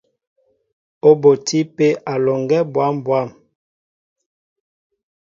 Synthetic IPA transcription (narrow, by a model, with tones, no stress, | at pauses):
o˦bo˨ti˦pe˦ʔa˨lɔ˨ŋɡɛ˦bwa˦mbwa˦˨m